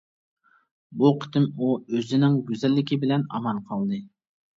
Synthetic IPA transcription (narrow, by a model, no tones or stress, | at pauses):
buqʰə̥t̪ɪmuøzɪnɪŋɡʲyzɛlːɪkʲibɪlɛnɑ̰mɑnqʰɑlˠd̪ɨ